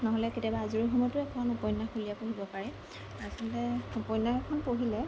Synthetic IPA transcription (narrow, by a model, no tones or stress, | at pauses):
nɔɦɔlɛketiabaːzuɹixɔmɔtʊɛkʰɔnupɔjnːaxulijapoɦibɔpaɹɛ | asɔltɛupɔjnːaɛkʰɔnpoɦilɛ